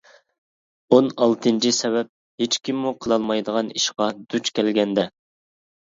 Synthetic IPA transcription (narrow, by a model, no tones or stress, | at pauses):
onɑlˠt̪ʰɨnt͡ʃʰisɛβɛp̚ | het͡ʃkʲimːuqʰəlˠɑlˠmɑjd̪əʁɑniʃqɑd̪ut͡ʃkʲʰɛlɡʲɛnd̪ɛ